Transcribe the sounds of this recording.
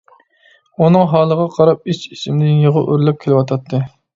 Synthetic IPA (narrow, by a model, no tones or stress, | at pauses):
unɨŋɦɑːlˠəʁɑqʰɑɾɑp̚it͡ʃisɪmɪd̪ɪnjəʁʊʔøɾlɛp̚kʲʰelɪwɑt̪ʰɑt̪ʰːɨ